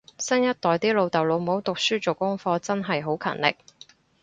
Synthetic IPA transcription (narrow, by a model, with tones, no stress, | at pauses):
sɐ˥njɐ˥t̚t̪ɔː˨jt̪iː˥lo˨˧wt̪ɐ˨wlo˨˧wmo˨˥wt̪ʊ˨k̚syː˥t͡ʃo˨wkʊ˥ŋfɔː˧t͡sɐ˥nɦɐ˨jɦo˨˥wkʰɐ̰˨˩nlɪ̰˨˩k̚